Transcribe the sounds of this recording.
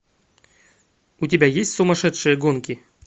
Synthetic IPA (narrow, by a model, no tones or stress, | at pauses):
utʲɪbʲajesʲtʲsumɐʂɛt̪ʂɨjəɡonkʲi